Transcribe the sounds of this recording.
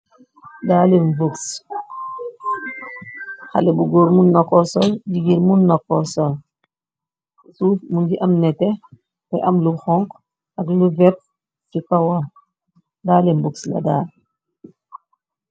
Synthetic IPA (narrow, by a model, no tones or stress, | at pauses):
daːlenvoks | xa̰lɛbuɡoːɾmunːakːɔsɔlɟiɡiɾmunːakːɔsɔl | sufmunɡiʔɐmnɛtɛ | pɛʔɐmluxɔŋk | ɐkluvɛp̚ | cikawa | daːlɛmbukslɐ̰daː